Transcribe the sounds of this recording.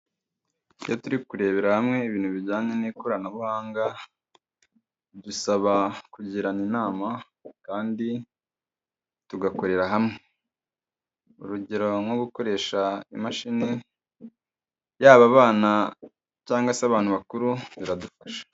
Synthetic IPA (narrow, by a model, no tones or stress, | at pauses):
jotuɾikuɾe̞ːβe̞ɾahamŋe̞iβiːnhuβiɾɟaːɲenikoɾanaβuhaːŋɡa | dusaβakuɟiɾaninaːma | kaːndi | tuɡako̞ɾe̞ɾaɦamŋe | ṵɾuɟeɾo̞ŋwo̞ɡuko̞ɾe̞ːʃaḭmaʃine | jaːβaβaːna | caːŋɡaseaβaːn̥uβakuɾuβiɾadufaʃḁ